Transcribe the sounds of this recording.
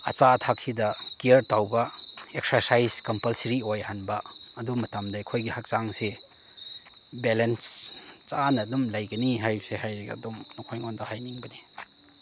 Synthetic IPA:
ɐt͡ʃatʰak̚sidɐkiɐɾtawbɐek̚sɐɾsajskɐmpɐlsɾiojɐhanbɐɐdumɐtamdajkʰojɡihak̚saŋse | belens | t͡ʃanɐdumlajɡɐniɦajsehajɾeɡa̰dumnɔkʰojŋɔndahajniŋbɐni

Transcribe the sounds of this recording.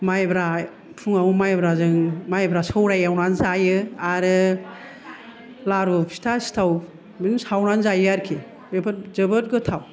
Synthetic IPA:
majbɾa | pʰuŋawumajbɾazɯŋmajbɾasɯwɾajawnanzajɯaɾɯ | laɾupʰi̥tʰasi̥tʰaw | binsawnanzajɯaɾkʰi | bebtzɯbɯt̚ɡɯtʰaw

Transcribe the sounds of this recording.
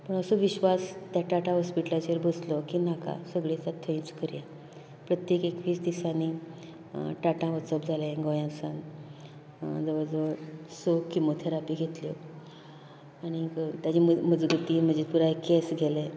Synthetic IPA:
pəɳəsoʋiɕʋast̪jaʈaʈãɦɔspiʈlat͡ɕeɾbəslɔkinaka̰səɡɭet͡s̪at̪ʰːəĩt͡skəɾja | pɾət̪jekekʋiːt͡sd̪isani | ʈaʈãʋət͡səbd͡zʱaleɡojãsãn | d͡zəʋəɾd͡zəʋəɾsokimot̪ʰeɾapiːɡʱet̪lo̰ | añikt̪jat͡ɕiməd͡zɡət̪im̤əd͡ʑet̪puɾaekesɡʱele

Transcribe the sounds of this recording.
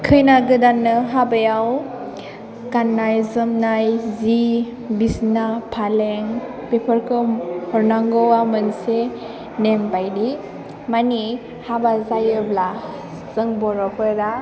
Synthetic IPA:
kʰɯjnaɡɯdanɯɦabajaw | kanːajzɯmnajzi | bisnapʰaleŋ | pepʰəɾkʰɯhɔɾnaŋɡɔwamɯnse | nempajdi | mani | habazajɯbla | z̥ɯŋbɔɾɔpʰɯɾa

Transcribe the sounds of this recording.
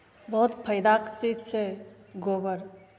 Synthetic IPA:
bəɦut̪pʰəjd̪akt͡ʃid͡ʒt͡ʃʰɛ | ɡobəɾ

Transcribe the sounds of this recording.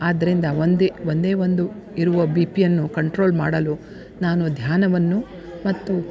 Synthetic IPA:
aːd̪ːɐɾind̪ɐond̪eond̪e̞ːʋo̞nd̪u | iɾuʋɐbiːpijɐnːukɐɳʈɾo̞ːlmaːɽɐlu | naːnud̪ʱjaːnɐʋɐnːu | mɐt̪ːu

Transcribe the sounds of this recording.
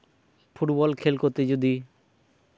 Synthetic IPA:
pʰuʈbɔlkʰelkot̪ed͡ʒod̪i

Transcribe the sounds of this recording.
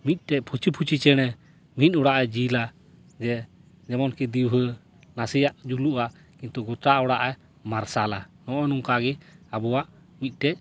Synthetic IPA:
mit̪̚ˀʈɛc̚pʰut͡ʃipʰut͡ʃit͡ʃɛɽ̃ɛ | mit̪̚ˀɔɽaʔajd͡ʒila | d͡ʒɛ | d͡ʒɛmɔnkid̪iwɦə | nasijaʔd͡ʒuluʔaʔ | kint̪uɡɔt̪aɔɽaʔaj | maɾsalanɔʔɔnuŋkaɡiabɔwaʔ | mit̪̚ˀʈɛc̚

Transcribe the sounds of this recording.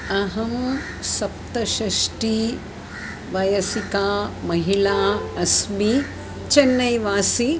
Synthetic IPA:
ɐɦɐm | sɐp̚t̪ɐʃɐʂʈi | ʋɐjɐsikaːmɐɦilaːɐsmi | t͡ʃɐnːɐjʋaːsi

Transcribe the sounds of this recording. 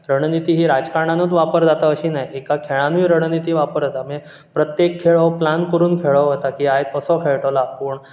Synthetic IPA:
ɾəɽnit̪iːɦiːɾad͡zkaɾɳ̃anət̪ʋapəɾd͡zat̪aəɕiːnajikakʰeɭ̃ãnujɾəɽ̃nit̪iːʋapəɾd͡zat̪ame | pɾət̪jekʰːeɭəʋplankəɾuːnkʰeɭəʋɦət̪akiːajt̪əsɔkʰeɭʈəlapuːɳ

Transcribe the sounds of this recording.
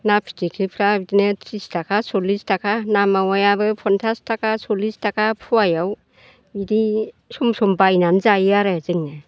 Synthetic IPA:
napʰi̥tʰikʰipʰɾabdinɯtʰistʰakʰasɔlistʰakʰanamawajabɯpʰɔntʰastʰakʰasɔlistakʰapʰuajaw | iɾi | sumsɔmbajnanzajɯaɾɯzɯŋnɯ

